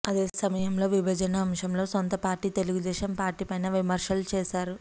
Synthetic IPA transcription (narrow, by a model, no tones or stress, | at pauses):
ɐd̪e̞ːsɐmɐjɐmlo̞ːʋibʱɐd͡ʒɐnɐːmʂɐmlo̞ːsont̪ɐpaːɾʈːiːt̪e̞luɡud̪ɛːʃɐmpaːɾʈiːpɐjnɐːʋimɐɾʂɐlt͡ʃɛːsaːɾu